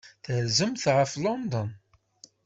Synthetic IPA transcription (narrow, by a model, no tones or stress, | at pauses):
θəɾzəmθʁəflɔnd̪ən